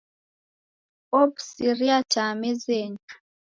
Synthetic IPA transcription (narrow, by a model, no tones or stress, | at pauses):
ɔbsiɾiatamɛzɛɲḁ